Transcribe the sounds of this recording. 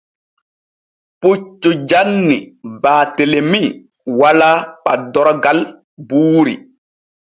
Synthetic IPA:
put͡ʃːud͡ʒanːḭbaːtelemi | walak͡padɔɾɡal | buːɾḭ

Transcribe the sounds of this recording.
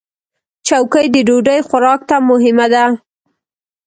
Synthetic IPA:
t͡ʃawkəjd̪əɖoɖəjxʊɾɑk̚t̪amʊɦɪmad̪a

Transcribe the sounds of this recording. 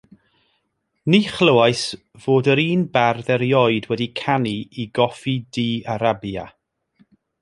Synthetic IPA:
niːχləwajs | v̥oːdəɾiːnbarðɛɾjɔɨdwɛdikʰaniiɡɔfidiːaɾabja̰

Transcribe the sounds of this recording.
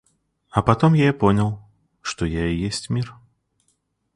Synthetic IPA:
ɐpat̪ɔmjajɛpɔnʲɐw | ʂt̪ɔjaɛjɛsʲt͡sʲmʲir

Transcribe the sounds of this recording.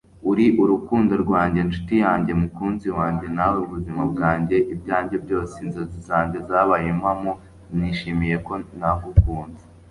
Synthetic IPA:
uɾiʔuɾukuːndo̞ɾɡwaːɲɟe̞nt͡ʃu̥tijaːɲɟe̞mukuːnziwaːɲɟe̞naweuβuzimabɡaːɲɟe̞ʔib̚ɟaːɲɟe̞bɟo̞ːsenzo̞zizaːɲɟe̞zaːβajemhamo | niʃimije̞ko̞naɡukuːnze̥

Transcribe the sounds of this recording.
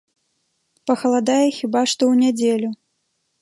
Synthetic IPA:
pɐxɐlˠad̪ajɛxʲibaʂt̪ɔwnʲad͡zʲelʲu

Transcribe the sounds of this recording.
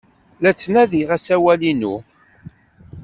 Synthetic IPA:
læt͡sːnæðiʁæsæwælinu

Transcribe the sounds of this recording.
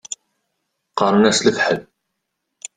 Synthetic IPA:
qɑɾˤənæsləfħəl

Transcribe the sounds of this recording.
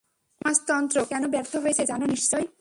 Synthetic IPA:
ãst̪ɔnt̪ɾokɛnobɛɾt̪ʰoɦojet͡ɕʰed͡ʑanoniʃːɔj

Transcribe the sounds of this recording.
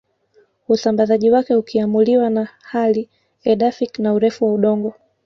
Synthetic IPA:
usambazaʄiwakɛukʰiamuliwanahali | ɛɗafiknauɾɛfuwauɗɔŋɡɔ

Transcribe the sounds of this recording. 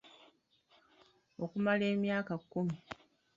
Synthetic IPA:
okumale̞ːmjaːkakːumi

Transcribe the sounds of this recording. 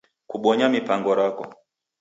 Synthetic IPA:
kuɓɔɲamipaŋɡɔɾakɔ̰

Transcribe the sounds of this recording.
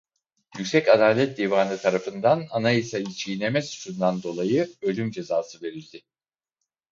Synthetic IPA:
jycʲsɛcad̪aːlʲɛt̪̚d̪iːvaːnɯt̪ʰaɾafɯnd̪ananaisait͡ʃʰijinemɛsu̥t͡ʃund̪and̪o̞lˠajɯø̞lʲymd͡ʒe̞zaːsɯve̞ɾilʲd̪ɪ

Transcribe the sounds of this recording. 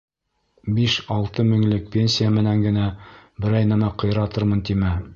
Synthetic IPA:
biʃɑlˠt̪ɤmɵ̆ŋlɘk̚pʲe̞nʲsʲijamɘ̆næŋɡɘ̆næbɘ̆ɾɑjnæmæqɤ̆j̆ɾɑt̪ɤɾmɤnt̪imæ

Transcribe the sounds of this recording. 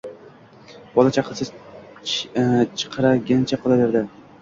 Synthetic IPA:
b̥ɒlˠat͡ʃʰaqʰsɪ | t͡ʃʰɨ̥qʰɑɾaɡʲant͡ʃʰaqʰɨlˠadɪɾd̪a

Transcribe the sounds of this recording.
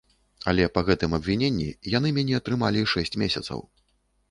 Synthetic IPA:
ɐ̰lʲɛpɐɣɛt̪ɨmɐbvʲinʲenʲːḭjanɨmʲɛnʲɛɐt̪ɾɨmalʲiʂɛsʲt͡sʲmʲesʲɐt̪sɐ̰w

